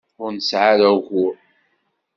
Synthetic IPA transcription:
ʊɾnəsʕaɾawʝʊɾ

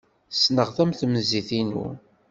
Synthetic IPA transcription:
snəʁθæmθmziθinṵ

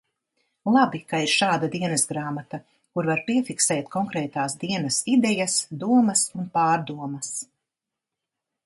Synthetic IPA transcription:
lˠabikaiɾʃaːd̪ad̪iɛnɛsɡɾaːmat̪ɐ | kuɾvaɾpiɛfiksɛːt̪̚kʰɔŋkɾɛːt̪aːsd̪iɛnɐsid̪ɛjɐsd̪uɔmɐsunpaːɾd̪uɔmɐs

